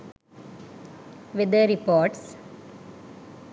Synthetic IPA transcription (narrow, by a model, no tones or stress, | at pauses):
ʋɪd̪əɾipɔːɾʈs